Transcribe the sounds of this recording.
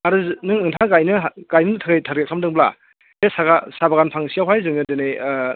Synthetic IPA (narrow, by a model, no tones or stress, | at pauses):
aɾɯznɯŋɯŋtʰaɡajnɯɡajnɯtʰaɡajtʰaɾɡekʰamdɯŋbla̰ | esaɡasabaɡanpʰaŋsijawɦajzɯŋɯdɯne